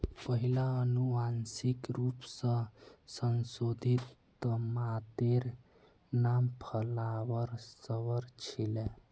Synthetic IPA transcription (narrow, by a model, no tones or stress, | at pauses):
pəɦilaənuʋansikɾupsə̃sənsod̪ʱit̪ː | əmat̪eɾ | nampʰəlaʋəɾsəʋəɾt͡ʃʰile